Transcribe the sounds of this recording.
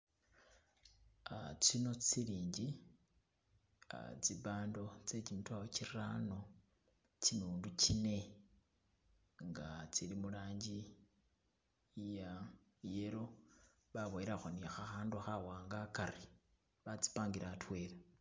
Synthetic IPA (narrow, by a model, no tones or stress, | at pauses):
at͡sino̞t͡siliːɲɟi | t͡siβaːndo̞t͡se̞t͡ʃimutwawocirrano̞ | t͡sinuːndut͡ʃine̞ | ŋɡa̰t͡silimulaːɲɟi | ja | jeɾo̞ | βaβojeɾaxoniaxaxaːnduxawaːŋɡakaɾi | βat͡si̥paːŋɡiɾatwe̞ːle